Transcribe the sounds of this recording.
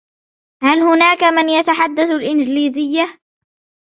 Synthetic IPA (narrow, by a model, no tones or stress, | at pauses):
halhʊnaːkamɪnjat̪aħad̪ːaθalʔɪnd͡ʒliːzɪjːa